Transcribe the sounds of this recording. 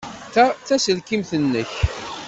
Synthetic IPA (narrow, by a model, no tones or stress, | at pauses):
θæθæsəlkimθənːəç